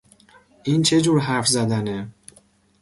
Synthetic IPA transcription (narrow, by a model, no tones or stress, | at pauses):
ʔiːnt͡ʃʰe̞d͡ʒuːɾɦæɾfzæd̪æne